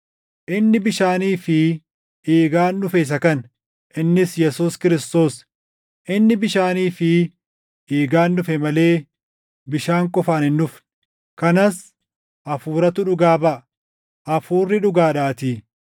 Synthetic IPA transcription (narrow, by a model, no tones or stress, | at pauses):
ʔɪnːɪbɪʃaːniːfɪ | ʔeːɡaːnːʊfɛɪs̬ɐkɐn | ʔɪnːɪsjɛsuːskɪɾɪst̪o̞ːs | ʔɪnːɪbɪʃaːniːfɪ | eːɡaːnːʊfɛmɐle̞ː | bɪʃaːŋkʼɔfaːnɪnːʊf | kɐnɐs | ʔɐfuːɾɐt̪ʊᶑʊɡaːbɐʔ | ʔɐfuːrːɪᶑʊɡaːᶑaːt̪iː